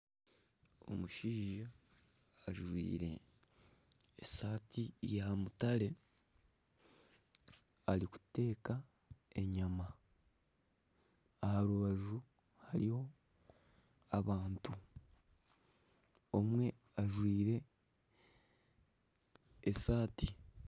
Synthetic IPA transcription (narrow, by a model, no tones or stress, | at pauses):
o̞̰muʃiːʒaː | ʒwḭːɾe̞̰ | saːtʰijamutaɾe̞ | aɾiku̥te̞ːka | e̞ɲama | ahaɾuβaʒu | haɾiho̞ | aβaːntu | o̞mwe̞ | aʒwiːɾe̞ | saːti